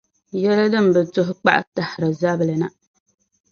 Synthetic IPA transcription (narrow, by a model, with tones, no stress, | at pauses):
jɛ˦la˦dɨ˦m̩˨bɨ˨tʊ˦ɦʊ˦k͡pa̰˦ʔa̰˨ta˨hɾa˨za˦blɨ˨na˨